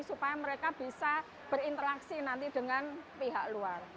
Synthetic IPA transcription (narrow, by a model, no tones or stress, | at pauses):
supajaməɾekab̥i̤sa | b̥əɾint̪əɾaksinant̪iɖ̥ə̤ŋanpiɦak̚luar